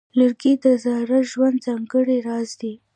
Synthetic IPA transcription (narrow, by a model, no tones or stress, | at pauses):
ləɾɡid̪əzɑɾaʒwand̪zaŋɡəɽeɾɑzd̪i